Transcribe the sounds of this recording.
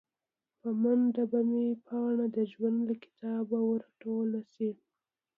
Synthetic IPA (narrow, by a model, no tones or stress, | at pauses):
pəmand̪abamepʰɑɳad̪əʒwand̪lakɪ̥t̪ɑbawəɾaʈolasi